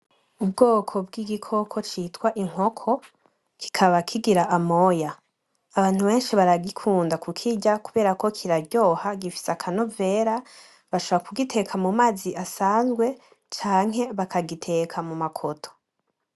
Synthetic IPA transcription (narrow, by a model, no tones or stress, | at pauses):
ubɡo̞ːkʰo̞bɡiːɡikʰo̞kʰo̞t͡ʃitwaʔiŋ̥ho̞kʰo̞ | ki̥kʰaβakʰiɡiɾaʔamo̞jaː | βaːn̥huβe̞ːnʃiβaɾaɡikʰuːndakukʰiɟakuβe̞ːɾako̞kʰiɾaɾɟo̞ːhaɡifi̥seakʰanove̞ːɾa | βaʃoβoɾakuɡitʰe̞kʰamumaːziʔasaːnzɡwe̞ | t͡ʃaːŋ̥ɦe̞βakʰaɡitʰe̞kʰamumakʰotʰo̥